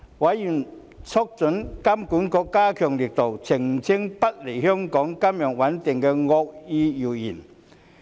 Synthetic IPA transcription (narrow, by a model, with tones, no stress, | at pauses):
wɐ˨˥jjy˨˩n | t͡sʰɔ˥k̚t͡sɵ˨˥nkɐ˥mkuː˨˥nkɔː˧kːaː˥kʰœː˨˩ŋli˨k̚t̪o˨˩wt͡sʰɪ˨˩ŋ˨t͡sʰɪ˥ŋpɐ˥t̚le˨˩jɦœ˥ŋkɔː˨˥ŋkɐ˥mjœ˨˩ŋwɐ˨˥nt̪ɪ˨˩ŋkɛ˧ŋɔ˧k̚iː˧ji˨˩wji˨˩n